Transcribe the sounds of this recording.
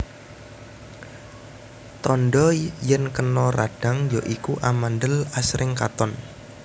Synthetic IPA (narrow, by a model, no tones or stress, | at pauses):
t̪ɔnɖɔjənkənɔraɖ̥a̤ŋjɔʔikuʔamandəlasɾʔɪŋkat̪ɔn